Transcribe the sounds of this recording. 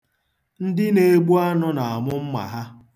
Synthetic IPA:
n̩˦dɪ˦ne˨˦ɡ͡bu˦a˦nʊ˦na˨a˨mʊ˦m̩˦ma̰˨ɦa˦

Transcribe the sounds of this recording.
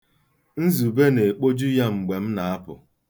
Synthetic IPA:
n̩˦zu˨be˦ne˨k͡po˦d͡ʒu˦ja˦ŋ͡m̩˨ɡ͡be˨m̩˦na˨a˦pʊ̰˨

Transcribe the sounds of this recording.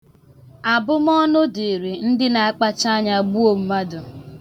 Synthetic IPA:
a˨bʊ˦m˦ɔ˦nʊ˦de˨ɾe˨n̩˦dɪ˦na˨a˦k͡pa˦t͡ʃa˦ɲa˨ɡ͡bu˦o˨m̩˦ma˦dʊ˨

